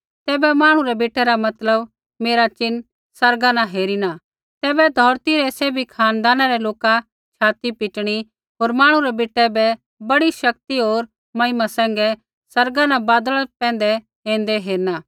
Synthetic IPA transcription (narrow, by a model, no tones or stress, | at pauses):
t̪ɛːbɛmãːɽ̃uɾɛbeːʈʰːɛɾamɐt̪ləb | meːɾat͡ʃɪn | sɐɾɡanãɦeːɾina | t̪ɛːbɛd̪ʱɔːɾt̪iɾɛseːbʱikʰaːnd̪aːnaɾɛloːka | t͡ʃʰaːt̪ipɪʈɽ̃i | ɦoːɾmaːɽ̃uɾɛbeːʈːɛbɛ | bɐɽiʃɐk̚t̪iɦoːɾ | mɐimasɛ̃ːŋɡɛ | sɐɾɡanãbaːd̪əɭapɛ̃ːnd̪ɛ | ɦẽːnd̪ɛɦeːɾnaː